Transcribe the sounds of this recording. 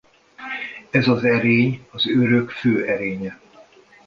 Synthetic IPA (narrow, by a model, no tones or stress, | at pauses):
ɛzɒzɛɾeːɲɒzøɾøkføːʔɛɾeːɲɛ